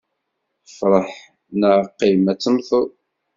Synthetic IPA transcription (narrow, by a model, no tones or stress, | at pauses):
fɾˤəħ | nəʁqːimæt͡sːəmθu